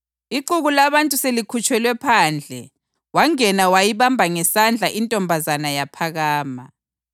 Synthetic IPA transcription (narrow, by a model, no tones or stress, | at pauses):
iǃuɣulaβantʼuselikʰut͡ʃʼwɛlwɛpʰaːnd͡ɮʱɛ̰ | waŋɛnawajiβambʱaŋɛsand͡ɮʱaʔintʼɔmbʱazanajapʰaɣaːma